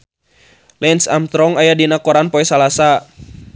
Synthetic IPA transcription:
lɛnsamt̪ɾɔŋajadinakɔɾanpɔɛsalasa

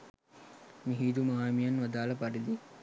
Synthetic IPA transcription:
miɦiːd̪umaːjmijanʋad̪aːlɐpaɖid̪i

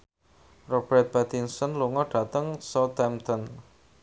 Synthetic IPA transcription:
rɔb̥ɛrt̪̚bɛt̪iŋsɔnluŋɔɖ̥ä̤t̪əŋsɔt̪ɛmt̪ɔn

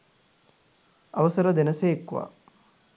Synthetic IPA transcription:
aʋəsəɾəd̪enəseekːuʋa̰

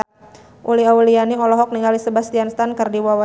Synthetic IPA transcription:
ʔuliawulianiɔlɔɦɔk̚niŋalisəbast̪ianst̪ankərdiwawa

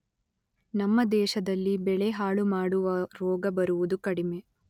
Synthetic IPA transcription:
nɐmːɐd̪ɛːʃɐd̪ɐlːibɛɭeɦaːɭumaːɽuʋɐɾɔːɡɐbɐɾuʋud̪ukɐɽime̞

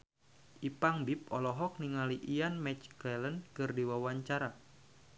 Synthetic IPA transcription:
ʔipaŋbip̚ɔlɔɦɔk̚niŋaliʔijanmɛt͡ʃkɛlənkɨrdiwawaɲt͡ʃaɾa

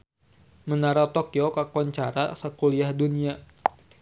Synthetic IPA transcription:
mənaɾat̪okiokakɔɲt͡ʃaɾa̰sakuliahdunia

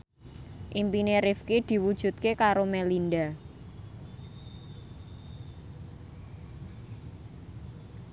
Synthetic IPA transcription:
ʔimpineɾifkid̪̥i̤wud̥ʒ̥ṳt̪̚kekaɾomɛlinda

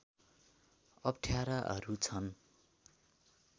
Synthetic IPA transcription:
ʌpʈʰjaɾaʔʌ̰ɾut͡sʰʌn

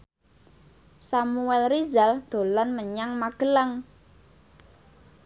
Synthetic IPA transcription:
samuɛlrizald̪̥o̤lɔnməɲaŋmaɡ̥ələŋ

